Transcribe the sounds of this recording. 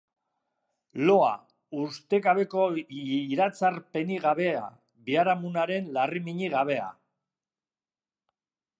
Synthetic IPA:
lo̞a̰ | ust̪e̞ɣaβ̞e̞ko̞iɾat͡saɾpe̞niɣaβe̞a̰ | βiaɾamunaɾe̞nlarimiɲiɣaβ̞e̞a̰

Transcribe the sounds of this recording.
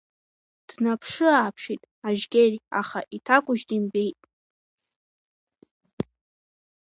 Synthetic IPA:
d̥napʰʂɨaːpʰʂitʼ | aʒɡʲera̰χa̰ʔitʰakʷʼʊʒtʼimbejtʼ

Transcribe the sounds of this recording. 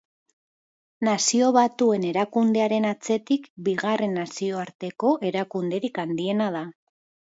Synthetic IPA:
nasio̞βat̪ue̞ne̞ɾakund̪e̞aɾe̞nat͡se̞t̪ikbiɣare̞nːasio̞aɾt̪e̞ko̞ʔe̞ɾakund̪e̞ɾikand̪ie̞nað̞a

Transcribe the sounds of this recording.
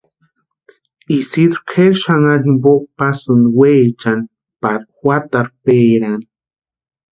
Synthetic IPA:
isid̪ɾkʰeɾʃaŋaɾimbopasɨnweːt͡ʃan | paɾxwat̪aɾpeːɾan

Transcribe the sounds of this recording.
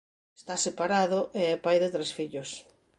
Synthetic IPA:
est̪asepaɾaðoʔeɛpajðet̪ɾesfiʎos

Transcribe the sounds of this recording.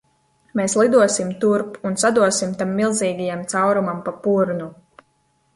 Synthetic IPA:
meːslˠid̪uɔsimt̪uɾpunsad̪uɔsimt̪amːilˠziːɡajamt̪sawɾumampapuɾnu

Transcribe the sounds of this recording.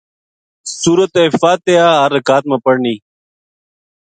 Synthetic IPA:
suːɾɐt̪efaːt̪ejaːɾɐkaːt̪̚mɐpəɽniː

